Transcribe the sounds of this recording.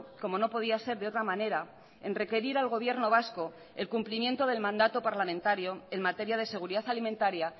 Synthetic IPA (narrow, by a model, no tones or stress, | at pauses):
ko̞mo̞no̞po̞ð̞iase̞ɾðeot̪ɾamane̞ɾa | e̞̰nre̞ke̞ɾiɾalɣ̞o̞β̞je̞ɾno̞β̞asko̞ | ḛlkumplimjẽ̞nt̪o̞ðe̞lmãnd̪at̪o̞paɾlamẽnt̪aɾjo̞e̞nmat̪e̞ɾjað̞e̞se̞ɣ̞uɾiðaθalimẽnt̪aɾja